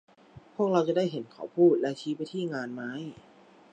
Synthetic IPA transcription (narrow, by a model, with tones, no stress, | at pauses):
pʰu˥˩ək̚ɾa˧wt͡ɕa˨˧daː˥˩jɦe˩˦nkʰa̰˨˩˦wpʰuː˥˩t̪̚lɛ˦˥t͡ɕʰiː˦˥pa˧jt̪ʰiː˥˩ŋaː˧nma˦˥j